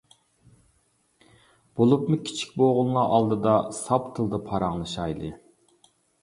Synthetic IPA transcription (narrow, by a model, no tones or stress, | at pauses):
b̥olˠupmukʲʰi̥t͡ʃʰi̥k̚ʲboʁʊnlˠɑʔɑlˠd̪ɨd̪ɑsɑpt̪ʰɨlˠd̪ɑpʰɑɾɑŋlˠɨʃɑjlˠɨ